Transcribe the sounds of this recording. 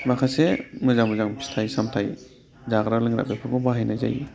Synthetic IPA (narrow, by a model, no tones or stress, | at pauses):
bakʰasemɯzaŋmɯzaŋbistʰajsamtʰaj | zaɡɾalɯŋɾa̰bepʰɯbɔbaɦajnajza̰j